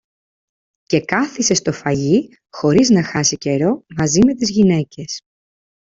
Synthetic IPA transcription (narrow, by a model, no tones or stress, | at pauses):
ce̞kɐθise̞st̪o̞fɐʝi | xo̞ɾiznɐxɐsice̞ɾo̞mɐzime̞t̪izʝine̞ce̞s